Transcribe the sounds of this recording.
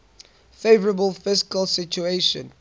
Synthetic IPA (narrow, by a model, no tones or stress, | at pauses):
feɪvəɹəbəlˠfɪskəlˠsɪt͡ʃueɪʃə̃n